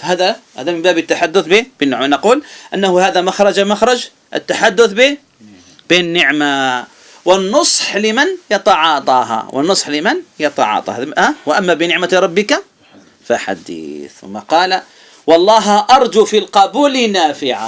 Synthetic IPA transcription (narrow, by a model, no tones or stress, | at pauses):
fahaːðaha̰ːðamɪmbaːbɪt̪ːaħad̪ːʊθbɪbɪnːɪʕmanɑquːlʔanːahʊhaːðamaxɾˤɑd͡ʒamaxɾˤɑd͡ʒ | ʔɪ̰t̪ːaħad̪ːʊθbɪ | b̥eːnːɪʕma | wɪnːʊsˤħlɪmanjɑt̪ˤɑʕɑt̪ˤɑːɦa̰wʔɪ̰nːʊsˤħlɪmanjɑt̪ˤɑ̰ʕɑ̰ːt̪ˤɑ̰haːwɪʔamːabɪnɪʕmaɾˤɑbːɪka | faħa̰d̪ḭːθmːaqɑːla | wɑlˤːɑːɦʔɑɾˤd͡ʒ̪ufilqɑbuːlɪnaːfɪʕa̰